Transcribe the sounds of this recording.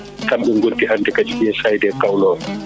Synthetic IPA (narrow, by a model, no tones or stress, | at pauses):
kamɓɛŋɡoltihandɛkad͡ʒiɓiɛsajdɛkawlɔːn